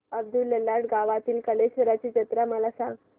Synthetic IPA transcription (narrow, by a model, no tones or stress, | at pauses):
əb̚d̪ulːəlːaʈɡaʋat̪iːlkəleɕʋəɾat͡ɕit͡ɕət̪ɾaməlasãɡ